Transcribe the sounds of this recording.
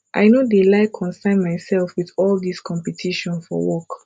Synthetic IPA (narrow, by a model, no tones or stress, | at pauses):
ʔa̰ɪnodelaɪkʰɔ̃nsãɪ̃nmaɪsɛlfwiθɔlˠdiskʰɔ̃mpɛtʰiʃɔ̃nfɔ̰wɔk